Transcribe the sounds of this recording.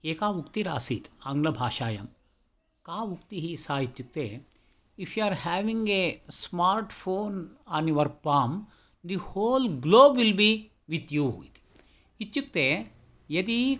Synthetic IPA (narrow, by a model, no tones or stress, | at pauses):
eːkaːʋukt̪iɾaːsit̪ɐ̃ŋɡlɐbʱaːʃaːjɐ̰m | kaːʋukt̪iɦisaːit̪t͡ʃuk̚t̪e | ifʰjuaɾhɛːʋĩŋɡesmaːɾʈfʰoːnãːniʋɐɾpaːm | d̪ihoːlɡloːbʋilbi | ʋit̪juɦṵːit̪ | it̪t͡ʃuk̚t̪e | jɐd̪i